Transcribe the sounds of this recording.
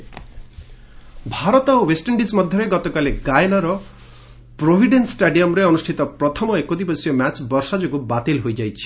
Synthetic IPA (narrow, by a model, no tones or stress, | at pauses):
bʱaɾɔt̪ɔwesʈɔɳɖismɔd̪ʱjɔɾeɡɔt̪ɔkaleɡajnɔɾɔ | pɾobʱiɖenssʈaɖijɔmɾeɔnusʈʰit̪ɔpɾɔt̪ʰɔmɔekod̪ipɔsijɔmjat͡ʃbɔɾsad͡ʒɔɡubat̪ilɦojd͡ʒajt͡ʃʰi̥